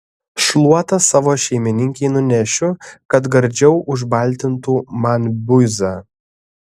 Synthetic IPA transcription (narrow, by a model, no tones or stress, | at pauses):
ʃlˠuɔt̪ɐsɑːʋoːʃʲɛɪmʲɪnʲɪŋʲkʲɛɪnʊnʲæʃʲʊkɐt̪ɡɐɾʲˑd͡ʒʲɛʊʔʊʒbɐlʲˑt̪ʲɪnt̪uːmɐnbʲʊzɑː